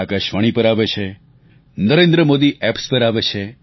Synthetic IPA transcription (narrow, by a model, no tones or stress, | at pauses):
akəʃʋaɽ̃ipəɾaʋet͡ʃʰe | nəɾẽnd̪ɾəmod̪iʔɛpspəɾaʋet͡ʃʰe